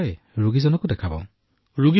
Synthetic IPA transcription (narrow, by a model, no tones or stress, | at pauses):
j | ɹuɡizɔnɔkʊdɛkʰabɔ̰ | ɹuɡi